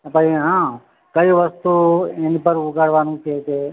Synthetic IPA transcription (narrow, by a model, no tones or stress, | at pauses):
əpəiɦã | kəjʋəst̪uenipəɾuɡʱaɽʋanũt͡ʃʰeke